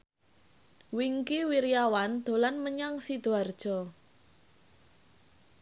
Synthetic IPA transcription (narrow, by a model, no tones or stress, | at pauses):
wiŋkiwiɾjawand̪̥o̤lanməɲaŋsid̪̥o̤ard̥ʒ̥ɔ̤